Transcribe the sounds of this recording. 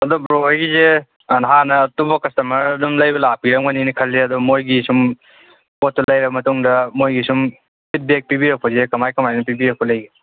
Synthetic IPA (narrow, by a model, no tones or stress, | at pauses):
ɐdobɾoajɡize | nɦanɐːtubɐkɐstɐmɐɾɐdumlɐjbɐlap̚ɡiɾɐŋɐninikʰɐlːeɐdumojɡisum | pot̚ːɐlɐjɾɐbɐmɐtuŋdɐmojɡisum | pʰit̚bek̚pibiɾɐk̚pɐzekɐmajkɐmajnɐpibiɾɐk̚pɐlɐjɡi